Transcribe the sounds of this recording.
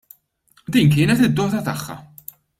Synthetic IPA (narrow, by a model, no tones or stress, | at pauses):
d̪iːnk̬ɪːnɛt̪ɪd̪ːɔːt̪ɐt̪ɐħːɐ̰